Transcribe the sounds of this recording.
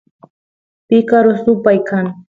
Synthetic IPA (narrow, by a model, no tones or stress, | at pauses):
pɪkaɾosʊpajkaŋ